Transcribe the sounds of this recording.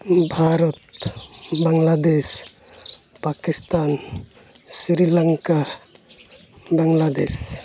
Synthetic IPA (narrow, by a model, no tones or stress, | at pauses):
bʱaɾɔt̪ | baŋlad̪es | pakist̪an | siɾilaŋka | baŋlad̪es